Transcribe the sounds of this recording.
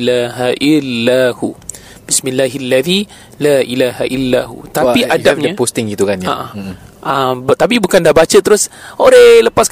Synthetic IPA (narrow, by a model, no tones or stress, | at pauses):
laɦaʔilːahu | bismilːaɦlːaði | laʔilaɦaʔilːaɦṵt̪apiʔadap̚ɲãpost̪ɪŋɡit̪ukanjaʔaambt̪ap̬ibukandahbat͡ʃət̪əɾʊsoɾɛləpask